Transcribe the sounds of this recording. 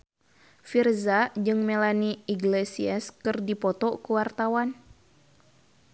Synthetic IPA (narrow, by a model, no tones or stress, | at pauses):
firzad͡ʒɨŋmelaniiɡlesiɛskɨrdipɔt̪ɔkəwart̪awan